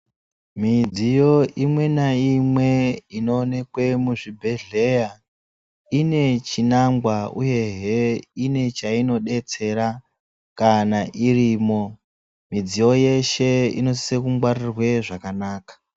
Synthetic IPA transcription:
mid͡zijo̞ʔimwe̞naimwe̞ino̞ne̞kwe̞muʐibʱe̞ɮeja | ine̞t͡ʃinaŋɡwauje̞ɦeine̞t͡ʃaino̞ɗe̞t͡se̞ɾa | kanaʔiriːmo̞ | mid͡zijo̞je̞ʃe̞ḭno̞sisekumɡwarirwe̞ʐakanaːkḁ

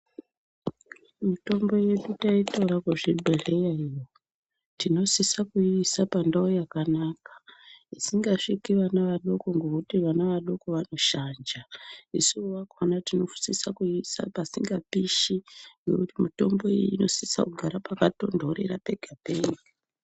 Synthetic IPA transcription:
mito̞mbo̞je̞ɗutaitauɾakweʐeɓʱeɮe̞jaijo | tino̞sisakuisapandaojakanakḁisiŋɡaʂikiʋanaʋaɗo̞ko̞ŋɡo̞kutiʋanaʋaɗo̞ko̞ʋano̞ʃand͡ʒaisuwakanatino̞fu̥sisakuisa̰pasiŋɡapiʃiŋɡe̞̰kutimito̞mbo̞ḭjino̞sisa̰kuɡʱaɾapakato̞ndʱo̞ɾe̞̰ɾape̞ɡʱapeɡʱa

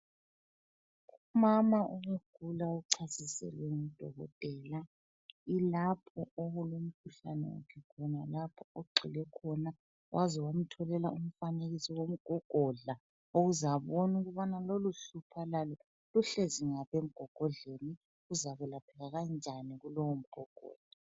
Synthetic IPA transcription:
ɣumamauŋeɡ̥ʱulauǀʰasisɛ̰lweŋiid̥ʱɔɣɔ̰tʼɛːla | ilapʰɔoɣulum̩kʰuɬa̰nɛ̰wa̰kʰɛkʰɔnalapʰɔoɡ͡ǀʱilɛkʰɔna | wʔazɛwam̩tʰɔlɛlaum̩faneɣisiwom̩ɡ̥ʱɔɡ̥ʱɔɮa | oɣuzaβonuɣuβanaloluɬupʰalalɔ | luɬeziŋaβem̩ɡ̥ʱɔɡ̥ʱɔɮeni | ɣuzaβɛlapʰɛɣaɣand͡ʒʱaniɣulɔwom̩ɡ̥ʱɔɡ̥ʱɔ̰ːɮ̥a

